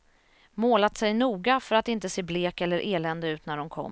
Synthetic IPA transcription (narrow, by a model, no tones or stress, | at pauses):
moːlat̪sɛjnuːɡafœɾat̪ɪnt̪əseːbleːkɛlːəɾʔeːlɛnd̪əʉ̟ːt̪næɖɔnkʰɔ̰mː